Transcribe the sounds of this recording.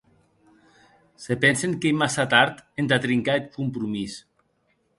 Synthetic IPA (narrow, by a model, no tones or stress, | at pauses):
sepɛnseŋkejmasat̪aɾt̪end̪at̪ɾiŋkaet̪̚kumpɾumis